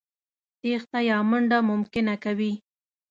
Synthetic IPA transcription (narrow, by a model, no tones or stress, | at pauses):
t̪ext̪ajɑməɳɖamʊmkɪnakawi